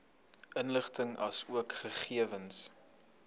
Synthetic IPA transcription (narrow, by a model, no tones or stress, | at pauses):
ʔənləχtəŋɐ̰suəkχəχiəvəns